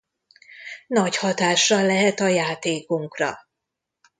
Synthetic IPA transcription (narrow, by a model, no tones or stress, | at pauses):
nɒchɒt̪aːʃːɒlːɛɦɛt̪ɒjaːt̪eːkuŋkrɒ̰